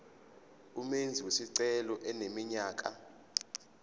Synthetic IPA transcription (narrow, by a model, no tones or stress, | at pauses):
umend͡zʱiwesiǀɛlɔʔɛnemiɲaːk̬ʼa̰